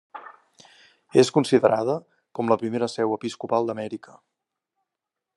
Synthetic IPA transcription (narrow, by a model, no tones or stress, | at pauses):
eskunsiðəɾað̞ə | kɔmləpɾimeɾəsɛwəpiskupalˠd̪əmɛɾikə̥